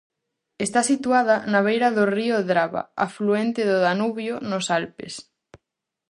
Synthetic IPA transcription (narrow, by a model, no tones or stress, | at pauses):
est̪asit̪uað̞anaβ̞ejɾaðorioðɾaβa̰afluent̪eðoðanuβjonosalpḛs